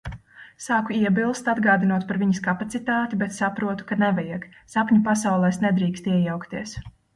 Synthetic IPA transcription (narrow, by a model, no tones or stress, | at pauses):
saːkuiɛbilˠst̪ad̪ɡaːd̪inuɔt̪̚paɾviɲɐskapat̪sit̪aːt̪ibɛt̪sapɾuɔt̪u̥kanɛvajak | sapɲʲupasawlˠɛːsnɛd̪ɾiːkst̪iɛjawkt̪iɛs